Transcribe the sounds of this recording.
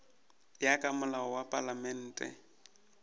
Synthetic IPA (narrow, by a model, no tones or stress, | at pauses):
jakʼamʊlaɔwapʼalamɛn̩ːtʼɛ̰